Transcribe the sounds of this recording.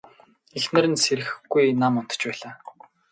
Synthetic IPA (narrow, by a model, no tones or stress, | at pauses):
exnɘ̆ɾɘ̆nseɾɘ̆xɡ̥ujnamʊnt̪ɞ̥̆t͡ɕpæːɮaː